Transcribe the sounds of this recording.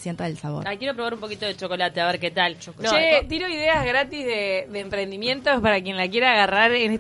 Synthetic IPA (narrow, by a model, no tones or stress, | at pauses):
sjent̪aðelsaβo̰ɾakjeɾo̞pɾo̞βaɾumpo̞kit̪oðet͡ʃo̞ko̞lat̪eaβeɾket̪aloʃet̪iɾoiðeazɣɾat̪izðeðeːmpɾe̞nd̪imjẽ̞nt̪ospaɾakje̞nlakje̞ɾaːɣaraɾene